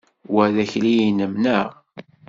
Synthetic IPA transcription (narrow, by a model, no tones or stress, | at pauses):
wæðæçlijinəmnəʁ